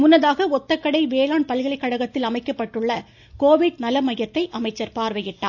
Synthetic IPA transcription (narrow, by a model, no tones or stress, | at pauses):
mʊnːɐðaːɣɐɔt̪ːɐkːɐɽɐɪʋeːlaːnpɐlɪɣɐɭɐɪkːɐɽɐɣɐt̪ːɪlɐmɐɪkːɐpːɐʈːɯɭːɐ | koːʋɪɖnɐlɐmɐjɐt̪ːɐɪʔɐmɐɪt͡ʃːɐɾpaːɾʋɐjɪʈːaː